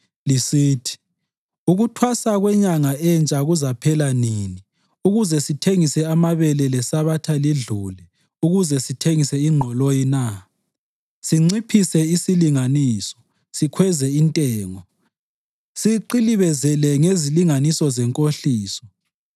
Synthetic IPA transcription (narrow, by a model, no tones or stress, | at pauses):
lisiːtʰi̥ | uɣutʰwasaɣwɛɲaŋaɛnt͡ʃʼaɣuzapʰɛlanini | uɣuzɛsitʰeŋisɛamaβɛlɛlɛsaβatʰaliɮulɛ | uɣuzɛsitʰeŋisɛiŋ͡ǃʱɔlojina | siŋ͡ǀipʰisɛisiliŋaniːsɔ̥ | sikʰwɛzɛintʼɛːŋɔ | siǃiliβɛzɛlɛŋeziliŋanisɔzɛŋkʼoɬiːsɔ̥